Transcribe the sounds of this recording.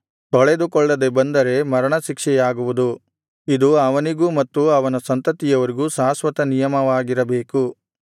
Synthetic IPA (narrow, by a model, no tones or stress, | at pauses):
t̪ɔɭed̪ukɔɭːɐd̪ebɐnd̪ɐɾe̞mɐɾɐɳɐʃikʂɛjaːɡuʋud̪u | id̪uɐʋɐniɡumɐt̪ːuɐʋɐnɐsɐnt̪ɐt̪ijɐʋɐɾiɡuːsaːsʋɐt̪ɐnijɐmɐʋaːɡiɾɐbe̞ːku